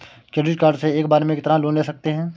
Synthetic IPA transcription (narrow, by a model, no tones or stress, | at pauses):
kɛːɖɾɪʈkaːɾɖseeːk̚baːɾemẽkɪt̪əɾãloːnleːsɐk̚t̪eɦɛ̃ː